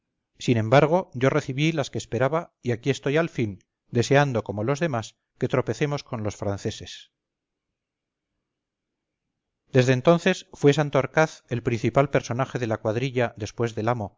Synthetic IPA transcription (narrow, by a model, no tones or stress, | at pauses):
sinẽ̞mbaɾɣ̞o̞ʝo̞re̞θiβilaskeːspe̞ɾaβaiakie̞st̪o̞jalfin | d̪e̞se̞and̪o̞ko̞mo̞lo̞zðe̞mas | ke̞t̪ɾo̞pe̞θe̞mo̞sko̞nlo̞sfɾanθe̞se̞s | d̪̥e̞zðeːnt̪o̞nθe̞sfwe̞s̬ant̪oaɾkaθe̞lpɾin̟θipalpe̞ɾso̞naxe̞ðe̞lakwaðɾiʎaðe̞spwe̞zðe̞lamo̞